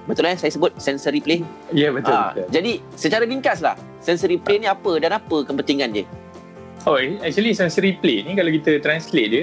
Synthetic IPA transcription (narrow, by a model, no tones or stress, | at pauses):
bət̪ulajsajasəbʊt̪̚sɛnsəɾiplen | jabət̪ʊt̪d͡ʒadi | sət͡ʃaɾaliŋkasla̰h | sɛnsəɾiplenĩapədanapəkəmpənt̪iŋãndə̰ | oɛk̚t͡ʃuəlisɛnsəɾiplenĩkalawkit̪ət̪ɾanslet̪̚djə